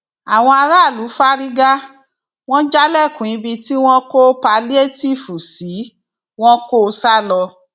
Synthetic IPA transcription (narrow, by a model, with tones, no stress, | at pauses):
a˨w̃ɔ̃˧a˧ɾa˦˨lu˨˦fa˦ɾi˦ɡa˦ | w̃ɔ̃˦d͡ʒa˦lɛ˦˨kũ˨ĩ˨˧bi˧ti˦w̃ɔ̃˦ko˦pa˧li˦e˦˨ti˦˨fu˨si˨˦ | w̃ɔ̃˦ko˦˧sa˦lɔ˧